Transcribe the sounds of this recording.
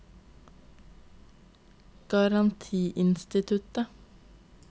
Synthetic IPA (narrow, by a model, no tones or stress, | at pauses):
ɡ̥ɑɾɑnt̪ʰiːʔɪnst̪ɪt̪ʰʉt̪ə